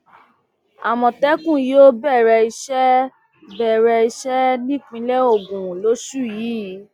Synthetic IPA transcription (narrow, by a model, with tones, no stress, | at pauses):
a˨mɔ̃˨tɛ˦kũ˦˨jo˦bɛ˦˨ɾɛ˧i˧ʃɛ˦ | bɛ˦˨ɾɛ˧i˧ʃɛ˦nĩ˦k͡pĩ˧˦lɛ˦o˦˨ɡũ˨ũ˨lo˨˦ʃu˦˨jiː˨˦